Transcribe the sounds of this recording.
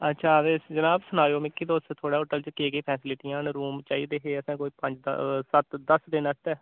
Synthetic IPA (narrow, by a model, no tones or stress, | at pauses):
ətːʃʰaːʋeːd͡ʒənaːbsʊnaːjoːmɪkːiːd̪oːst̪t̪ʰoːɽaːoʈəlt͡ʃkeːkeːpʰɛːsɪlɪʈiãːnɾuːmt͡ʃaːiːd̪eːɦeːəsãːkoːiːpə̃ɲd͡ʒd̪̰sət̪d̪əsd̪ɪnəst̪ɛː